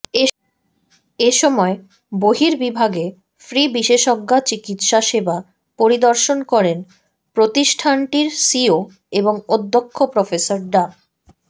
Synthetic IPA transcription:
eʃɔmɔe | boɦiɾbibʱaɡe | fɾibiʃeʃɔɡːat͡ɕikit̪ʃaʃeba | poɾid̪oɾʃonkɔɾen | pɾot̪iʃʈʰanʈiɾsio | eboŋod̪ʱːokʰːopɾɔfesaɾɖa

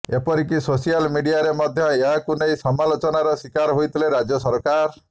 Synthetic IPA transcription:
epɔɾikisosialmiɖiaɾemɔd̪ʱjɔeɦakunejsɔmalot͡ʃɔnaɾɔswikaɾɦojt̪ʰileɾad͡ʒjɔsɔɾkaɾ

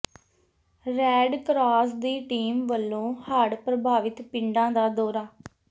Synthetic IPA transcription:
ɾɛːɖkɾaːsd̪iːʈiːmʋəlːõːhaːɽpɾəbaːʋɪt̪pɪ̃ɳɖãːd̪aːd̪ɔːɾaː

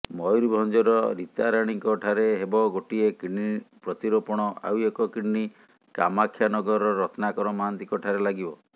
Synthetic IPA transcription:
mɔjɾibʱɔnd͡ʒɔɾɔɾit̪aɾaɽ̃iŋkɔʈʰaɾeɦebɔɡoʈiekiɽipɾɔt̪iɾɔpɔɽ̃ɔa̰wekɔkiɽni | kamakʰjanɔɡɔɾɔɔɾɔt̪ʰnakɔɾɔmant̪iŋkɔʈʰaɾelaɡibɔ

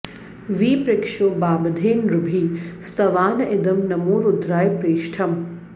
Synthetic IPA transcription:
ʋiːpɾɪkʃoːbaːbɐd̪ʱeːnɾʊbʱiːst̪ɐʋaːnɐʔɪd̪ɐmnɐmuːɾʊd̪ɾaːjpɾeːʃʈʰɐm

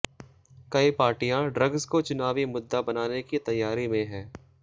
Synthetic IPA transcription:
kɐipaːɾʈijãɖɾɐɡzkot͡ʃʊnaːʋimʊd̪ːabɐnaːnekit̪ɐjːaːɾimẽɦɛ̃ː

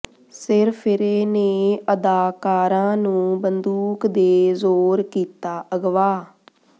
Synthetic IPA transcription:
sɪɾpʰɪɾeːneːʔəd̪aːkaːɾãːnũːbənd̪uːkd̪eːzoːɾkiːt̪aːʔəɡʋaː

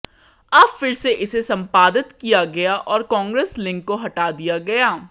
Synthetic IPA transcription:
ɐbfɪɾseʔɪsesɐ̃mpaːd̪ɪt̪kijaɡɐjaʔɔːɾkɔ̃ːŋɡɾeːslɪ̃ŋkːoɦɐʈaːd̪ijaɡɐjaː

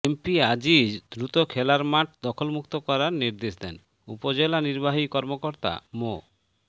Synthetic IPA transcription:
empiad͡ʑid̪ɾut̪okʰɛlaɾmaʈ̚ʰd̪ɔkʰolmukt̪okɔɾaɾniɾd̪eʃd̪ɛn | upod͡ʑelaniɾbaɦikɔɾmokoɾt̪a̰mo

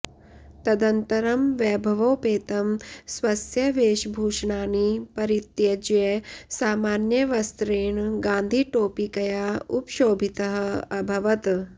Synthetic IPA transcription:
t̪ɐd̪ɐnt̪ɐɾɐmʋɛːbʱɐʋoːpeːt̪ɐmsʋɐsjɐʋeːʃbʱuːʂɳaːnipɐɾit̪jɐd͡ʒjesaːmaːnjɐʋɐst̪ɾeːɳɡaːnd̪ʱiʈoːpikɐjaːupʃoːbʱit̪ɐɦɐ̆ɐbʱɐʋɐt̪

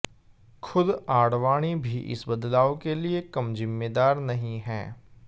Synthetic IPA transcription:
xʰʊd̪aːɽʋaːɽ̃ibʱiʔɪ̰sbɐd̪laːokeliekɐmzɪmːeːd̪aːɾnɐɦĩɦɛː

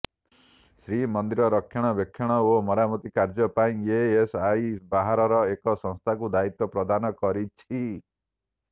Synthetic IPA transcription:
sɾimɔnd̪iɾɔɾɔkʰːjɔɽ̃ɔbjɔkʰːjɔɽ̃ɔomɔɾamɔt̪ikaɾd͡ʒɔpaĩeesajbaɦaɾɔɾɔekɔsɔ̃ŋst̪ʰakud̪ait̪ɔpɾɔd̪anɔkɔɾit͡ʃʰi

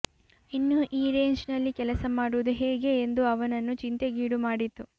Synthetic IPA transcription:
inːuʔiːɾeːɲd͡ʒnɐlːikɛlɐsɐmaːɽuʋud̪uɦeːɡe̞ːnd̪uɐʋɐnɐnːut͡ʃint̪e̞ɡiːɽumaːɽit̪ːu

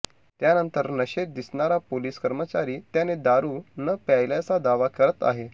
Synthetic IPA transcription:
t̪janənt̪əɾnəɕed̪isɳaɾapoliːskəɾmət͡ɕaɾiːt̪janed̪aɾuːnəpjajljat͡sad̪aʋakəɾət̪a̰ɦe

